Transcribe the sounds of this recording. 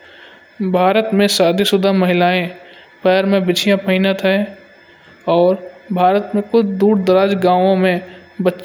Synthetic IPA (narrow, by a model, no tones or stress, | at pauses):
bʱaːɾət̪mẽsaːd̪ʱisʊd̪ʱamɐɦɪlaːẽ | pɛːɾmẽbɪt͡ʃʰijãpʰəɦɪnət̪ɦɛ | ɔːɾbʱaːɾət̪mẽkʊt͡ʃʰd̪uːɽd̪əɾaːd͡ʒɡãːʋõmẽbətːʃ